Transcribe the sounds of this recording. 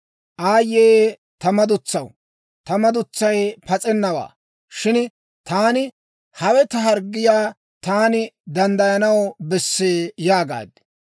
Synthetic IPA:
ʔaːjːeː | t̪ɐmɐd̪ʊt͡sːɐw | t̪ɐmɐd̪ʊt͡sːɐjpɐt͡sʼɛnːɐwa̰ː | ʃɪn | t̪aːnɪ | hɐwɛt̪ɐɦɐɾɡːɪjaː | t̪aːnɪd̪ɐnd̪ɐjɐnɐwbɛsːeːjaːɡa̰ːd̪

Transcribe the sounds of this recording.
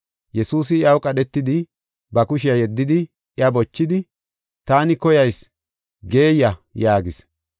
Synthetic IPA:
jɛsuːs̬ɪɪɐwkʼɐɗɛt̪ːɪd̪ɪ | bɐkʊʃɪjɐjɛd̪ːɪd̪ɪ | ʔɪɐbɔt͡ʃːɪd̪ɪ | t̪aːnɪkɔjɐjs | ɡe̞ːjːɐjaːɡɪs

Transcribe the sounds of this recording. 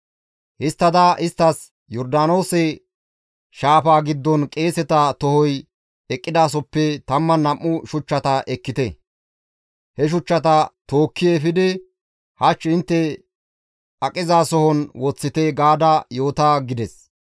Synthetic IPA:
hɪst̪ːɐd̪ɐʔɪst̪ːɐs | jɔɾd̪aːno̞ːsɛ | ʃaːpaːɡɪd̪ːɔnkʼe̞ːsɛt̪ɐt̪ɔhɔj | ɛkʼːɪd̪aːs̬ɔpːɛt̪ɐmːɐnɐmːʊʃʊt͡ʃːɐt̪ɐʔɛkːɪt̪ɛ | hɛʃ̬ʊt͡ʃːɐt̪ɐt̪o̞ːkːɪjefɪd̪ɛ | hɐt͡ʃːɪnt̪ːɛ | ɐkʼɪzaːsɔhɔnwɔt͡sːɪt̪ɛɡaːd̪ɐjo̞ːt̪aːɡɪd̪ɛs

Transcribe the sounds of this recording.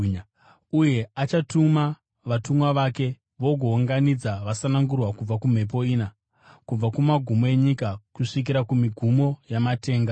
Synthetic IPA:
uje̞at͡ʃatuma | ʋatumwaʋake̞ | ʋo̞ɡʱo̞uŋɡanid͡zaʋasanaŋɡurwakub͡vakum̤e̞p̬o̞iːna | kub͡vakumaɡʱumoeɲikakuʂik̬iɾakumiɡʱumo̞jamate̞ːŋɡa

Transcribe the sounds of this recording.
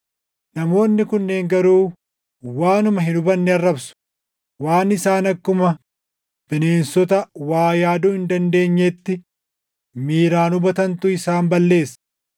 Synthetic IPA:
nɐmo̞ːnːɪkʊnːeːŋɡɐɾuː | waːnʊmɐɦɪnʊbɐnːɛɐrːɐbsʊ̥ | waːnɪsaːnɐkːʊmɐ | b̥ɪne̞ːnsɔt̪ɐwaːjaːd̪ʊhɪnd̪ɐnd̪e̞ːɲːet̪ːɪ | miːɾaːnʊbɐt̪ɐnt̪ʊɪsaːmbɐlːe̞ːsːɐ̥

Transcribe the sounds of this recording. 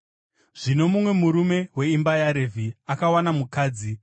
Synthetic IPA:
ʐ̥ino̞mumwe̞muɾume̞we̞imbajaɾevʱiakawanamukaːd͡zi

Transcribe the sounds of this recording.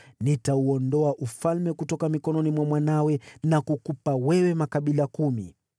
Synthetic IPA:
nitauɔndɔaʔufalmɛkutɔkamikɔnɔnimwamwanawɛnakukupawɛwɛmakaɓilakumḭ

